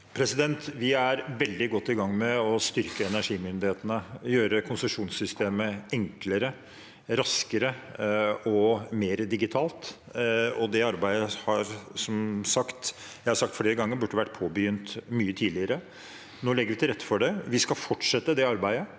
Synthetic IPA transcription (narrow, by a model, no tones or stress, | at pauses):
pʰɾɛsɪd̪ɛnt̪ʋɪæɾʋɛld̪ɪɡɔt̪ːɪɡɑŋːmɛɔst̪ʏɾkəɛnæʂiːmʏnd̪ɪheːt̪ənəjøːɾəkʰʊnsʉʂuːnsʏst̪eːməɛŋkləɾə | ɾɑskəɾə | ɔmeːɾəd̪ɪɡɪt̪ʰɑːlt̪ | ɔd̪ɛɑɾbæɪəhɑɾsɔmsɑkt̪ | jæɪhɑɾsɑk̚t̪fleːɾəɡɑŋːəɾbʉʈːəʋæʈ̚ːpʰoːbəjʏnt̪myːət̪ʰiːd̪lɪəɾə | noːlɛɡəɾʋɪt̪ʰɪlɾɛt̪ːə̥fɔɖɛʋɪskɑfɔʈʂɛt̪ːəd̪ɛɑɾbæɪə